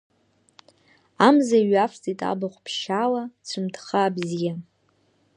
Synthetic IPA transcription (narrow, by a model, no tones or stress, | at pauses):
amzaɥaft͡sʼitʼa̰baχʷpʰʃalat͡sʷʰɨmtʰχaːbzija